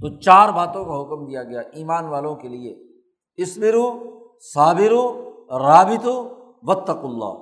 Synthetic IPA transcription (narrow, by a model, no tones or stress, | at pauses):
t̪oːt͡ʃaːɾbaːt̪õkaɦʊkmd̪ijaɡɐjaːʔiːmaːnʋaːlõkelie | ɪsbɪɾu | saːbɪɾuɾaːbɪt̪u | ʋɐt̪ːɐqʊlːa̰ː